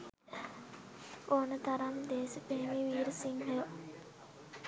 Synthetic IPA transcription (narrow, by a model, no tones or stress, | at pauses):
oːnət̪aɾamd̪eːsupeɦemiːʋiːɾəsiŋɦejo